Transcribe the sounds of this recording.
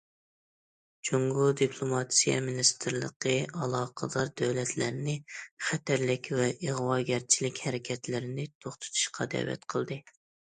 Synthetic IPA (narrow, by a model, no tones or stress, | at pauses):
t͡ʃʰoŋɡʊd̪ipʰlˠomɑt̪sijɛ̰minist̪ʰɨɾlˠə̰qəɑlˠɑːqʰəd̪ɑɾd̪æwlɛt̪ʰlæɾnɪχæt̪ʰæɾlɪkʲvɛʔeʁwɑːɡʲɛɾt͡ʃʰilɪkʲhɛɾɪkʲʰɛt̪lɪɾɪnɪt̪ʰoχt̪ʰɨ̥t̪ʰu̥ʃqʰɑd̪ɛ̰wɛ̰t̪qʰəlˠd̪ɨ